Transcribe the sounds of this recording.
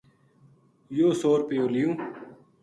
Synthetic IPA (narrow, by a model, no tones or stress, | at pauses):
joːsoːɾpejõːlijũː